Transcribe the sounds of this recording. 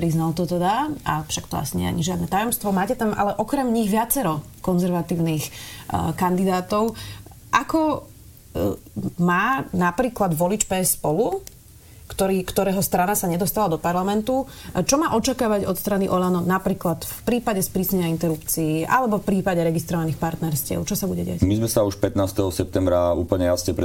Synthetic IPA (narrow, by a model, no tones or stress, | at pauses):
pɾiznalt̪ɔt̪ɛd̪aʔa̰fʃakt̪ɔa̰siɲɛ̰a̰ɲiʒɪad̪nɛt̪ajɔmst̪ʋɔmaːcɛt̪amʔa̰lɛʔɔkɾɛmɲiɣʋɪat͡sɛɾɔ | kɔnzɛɾʋat̪iːʊniːxkand̪id̪aːt̪ɔʊ | ʔakɔ | maːnapɾiːklad̪ʋɔlit͡ʃpɛːsːpɔlu | kt̪ɔɾiːkt̪ɔɾɛːɦɔst̪ɾanasaɲɛd̪ɔst̪alad̪ɔpaɾlamɛnt̪u | t͡ʃɔmaːʔɔt͡ʃakaːʋaɟɔt̪st̪ɾaniʔɔlanɔnapɾiːklat̪fpɾiːpaɟɛspɾiːsɲɛɲaint̪ɛɾupt͡siiʔa̰lɛbɔfpɾiːpaɟɛɾɛɡist̪ɾɔʋaniːxpaɾt̪nɛɾscɪɛ̰ʊt͡ʃɔsabuɟɛɟɪacmizmɛsauʃpɛt̪naːst̪ɛɦɔsɛp̚t̪ɛmbɾaṵːpl̩ɲɛjasɲɛpɾɛ